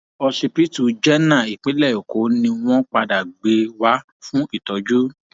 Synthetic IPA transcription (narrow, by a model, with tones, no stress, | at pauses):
ɔ˧ʃi˧pi˦tu˨d͡ʒɛ˦nã˦˨i˨k͡pe˨˦lɛ˦˨o˨ko˨˦nĩ˧w̃ɔ̃˦k͡pa˧da˨ɡ͡be˧wa˦ | fũ˦i˦˨tɔ˨˦d͡ʒu˦